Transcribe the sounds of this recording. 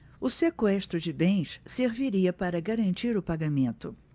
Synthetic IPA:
ʊsekwɛʃt̪ɾʊd͡ʒɪbẽj̃sseɾviɾiɐpaɾɐɡaɾɐ̃nt͡ʃiɾʊpaɡamẽnt̪ʊ

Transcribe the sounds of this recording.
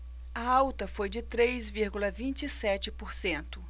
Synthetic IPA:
ɐawt̪ɐfojd͡ʒɪt̪ɾejzviɾɡulɐvĩnt͡ʃisɛt͡ʃɪpoɾsẽnt̪ʊ

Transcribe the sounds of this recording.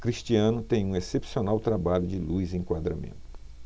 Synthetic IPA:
kɾiʃt͡ʃiɐ̃nʊt̪ẽj̃ũesepsionawt̪ɾabaʎʊd͡ʒɪlujzɪẽkwad̪ɾa̰mḛ̃nt̪ʊʊ

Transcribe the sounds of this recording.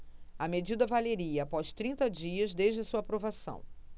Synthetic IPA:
ɐmed͡ʒid̪ɐvaleɾiɐːpɔʃt̪ɾĩnt̪ɐd͡ʒiɐzd̪eʒd͡ʒɪsuɐapɾovasɐ̰̃w̃

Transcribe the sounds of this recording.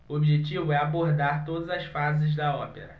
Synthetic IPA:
uobiʒet͡ʃivʊɛaboɾd̪aɾt̪od̪ɐzɐsfazɪzd̪ɐɔpeɾɐ

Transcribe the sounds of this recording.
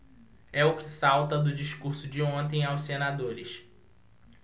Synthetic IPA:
ɛʊkɪsawt̪ɐd̪ʊd͡ʒiʃkuɾsʊd͡ʒɪõnt̪ẽj̃awsenad̪oɾɪʃ

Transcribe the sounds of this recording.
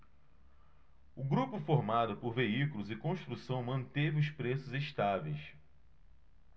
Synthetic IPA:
ʊɡɾupʊfoɾmad̪ʊpoɾveikulʊzɪkõʃt̪ɾusɐ̃w̃mɐ̃nt̪evɪʊspɾesʊzeʃt̪avejs

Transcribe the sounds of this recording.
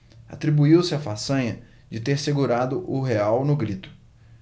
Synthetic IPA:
a̰t̪ɾibuiwsɪafasɐ̃ɲɐ | d͡ʒɪt̪eɾseɡuɾad̪ʊʔʊɦeawnʊɡɾit̪ʊ̥

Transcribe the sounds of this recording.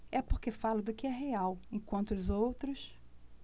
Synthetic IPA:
ɛpoχkefalʊd̪ʊkɪɛɦeawẽkwɐ̃nt̪ʊʊzowt̪ɾʊs

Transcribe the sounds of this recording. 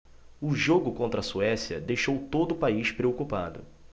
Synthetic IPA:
ʊʒoɡʊkõnt̪ɾɐsuɛsiɐ̰d̪ejʃowt̪od̪ʊʊpaiʃpɾeokupad̪ʊ̰

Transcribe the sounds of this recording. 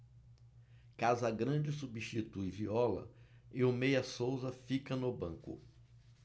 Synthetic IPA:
kazʊɐɡɾɐ̃d͡ʒɪs̬ubiʃt͡ʃit̪ujviɔlɐ̰ewmejɐsowzɐfikɐnʊbɐ̰̃kʊ̰

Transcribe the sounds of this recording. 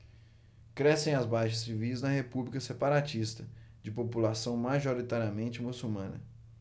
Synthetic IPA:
kɾɛsẽj̃ɐzbajʃɐsːivijznɐhepublikɐsepaɾat͡ʃist̪ɐd͡ʒɪpopulasɐ̃w̃maʒoɾit̪aɾiamẽnt͡ʃɪmusumɐ̃nɐ̰

